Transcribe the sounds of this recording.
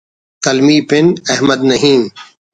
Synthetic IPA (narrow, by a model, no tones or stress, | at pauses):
t̪ɐlmiːpɪnɐɦməd̪nɐɦĩː